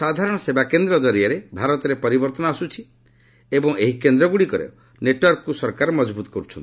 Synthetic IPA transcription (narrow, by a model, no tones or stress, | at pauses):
sad̪ʱaɾɔɽ̃ɔsebakend̪ɾɔd͡ʒɔɾiaɾebʱaɾɔt̪ɔɾepɔɾibɔɾt̪ɔnɔasut͡ʃʰi | ebɔŋeɦikend̪ɾɔɡuɽikɔɾḛ | neʈwaɾkɔkusɔɾkaɾmɔd͡ʒbut̪ɔ̥kɔɾut͡ʃʰɔnt̪i